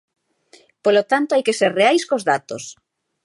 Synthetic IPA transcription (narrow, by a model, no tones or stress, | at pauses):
polot̪ant̪oajkeseɾreajskozðat̪o̰s